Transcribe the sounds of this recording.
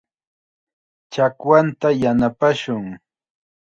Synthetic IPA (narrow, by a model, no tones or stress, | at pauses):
t͡ʃakwant̪ajanapaʃʊŋ